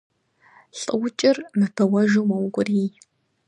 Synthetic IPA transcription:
ɬʼɨwt͡ʃʼɪrnɨpʰɐwɐʒuwmɐwkʷʼʊriː

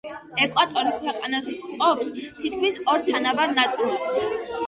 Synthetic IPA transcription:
ɛkʼwat̪ʼɔɾikʰwɛqʼanasqʼɔpst̪ʰit̪̚kʰmisɔɾt̪ʰanavaɾnat̪sʼilˠi

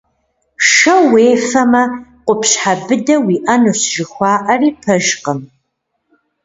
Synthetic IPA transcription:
ʂɐweːfɐmɐqʷʊpɕħabɨdɐwiːʔɐnɨɕʒɨxʷɑːʔɐriːpʰɐʒqəm

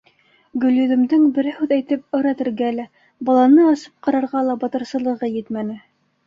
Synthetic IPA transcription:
ɡɵ̆lʲjɵ̆ðɘ̆md̪ɘŋbɘ̆ɾæhʉðæjt̪ɘp̚ɤ̆ɾɑt̪ɘ̆ɾɡælæ | bɑlˠɑnɤɑsɤ̥p̚qɑɾɑɾʁɑlˠɑbɑt̪ɤ̆ɾsɤ̆lˠɤ̆ʁɤjɘt̪mænɘ

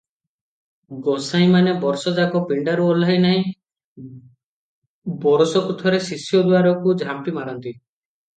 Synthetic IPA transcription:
ɡɔsaĩmanebɔɾsɔd͡ʒakɔpiɳɖaɾuɔlaɦjnaɦĩ | bɔɾɔsɔkut̪ʰɔɾesisjɔd̪waɾɔkud͡ʒʱampimaɾɔnt̪i

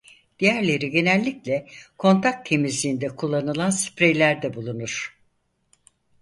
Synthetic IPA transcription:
d̪̥ijæɾlʲe̞ɾiɟe̞nælʲːiclʲɛkʰo̞nt̪ʰak̚t̪ʰːe̞mizlʲiːnd̪ɛkʰulˠːanɯlˠanspɾejlʲæɾd̪ɛbulˠunuɾ̥

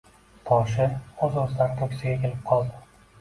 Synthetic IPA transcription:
t̪ʰɒʃ̬ɪɵzozlaɾt̪ʰokʲsɪɡʲakʲʰe̞lɪp̚qʰɒlˠd̪ɪ

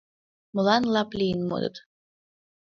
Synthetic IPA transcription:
mɤ̆lɑnlˠɑplʲijənmo̰d̪ɤ̰t̪

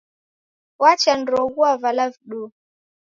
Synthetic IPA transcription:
wat͡ʃanɾɔɣuavalavɗu

